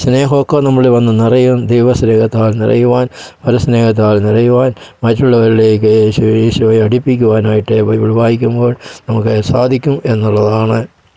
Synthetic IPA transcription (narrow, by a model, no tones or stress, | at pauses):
sneːɦokːɐnɐmːɐɭʋɐnːɨnirɐjumd̪ejʋɐsneːhɐt̪ːaːlnḭrɐ̰juʋaːnpɐɾusneːhɐt̪̬ːaːlnirɐjuʋaːnmɐtːuɭːɐʋɐɾiɽekːeːɕjeːɕuʋɐjɐɽipːikʲːuʋaːnaːjiʈːɨʋɐjʋiɭbaːjik̬ʲːumboːɭnɐmukːɨsaːd̪ʱikʲːumʔe̞nːuɭːɐðaːɳɨ